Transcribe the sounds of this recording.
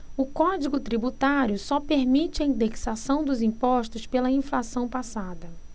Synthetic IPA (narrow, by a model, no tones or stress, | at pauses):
ʊkɔd͡ʒiɡʊt̪ɾibut̪aɾjʊsɔpeɾmit͡ʃɪɐĩnd̪eksasɐ̃w̃d̪ʊzĩpɔʃt̪ʊspelɐĩflasɐ̃w̃pasad̪ɐ